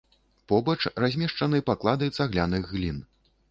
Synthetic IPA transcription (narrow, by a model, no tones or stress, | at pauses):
pɔbɐt͡ʂrazʲmʲɛʂt͡ʂɐnɨpaklˠad̪ɨjt̪saɣlʲanɨɣːlʲin